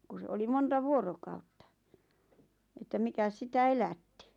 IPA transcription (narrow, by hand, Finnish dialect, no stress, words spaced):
ku se oli montɑ ʋuorokɑutːɑ etːæ mikæs sitæ elætːi